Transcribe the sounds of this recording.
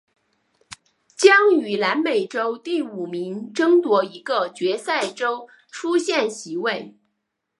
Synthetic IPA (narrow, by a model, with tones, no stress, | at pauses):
t͡ɕjɑ˥ŋy˨˩la˧˥nme˨˩ɪʈ͡ʂo˥ʊt̪i˥˩u˨˩mi˧˥ŋʈ͡ʂɤ˥ŋt̪wɔ˧˥i˧˥ɡə˧t͡ɕɥɛ˧˥sa˥˩ɪʈ͡ʂo˥ʊ | ʈ͡ʂʰu˥ɕjɛ˥˩nɕi˧˥we˥˩ɪ